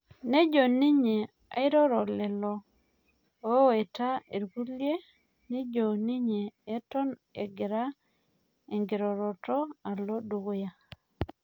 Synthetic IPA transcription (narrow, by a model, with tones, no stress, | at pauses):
ne˦d͡ʒo˨nɪ˦ɲe˨ | a̰˨ɪ˦ɾɔ˦ɾɔ˨lɛ˨lɔ˨˦ | e˨ta˦e˨ɾɡu˦lje˦ | ni˦d͡ʒo˨nɪ˦ɲeː˨˦tɔ˦nḛ˨ɡɪ˨ɾa˦ | e˨ŋɡe˨ɾɔ˨ɾɔ˨tɔ˦a˨lɔ˦do˨ɡo˦ja˨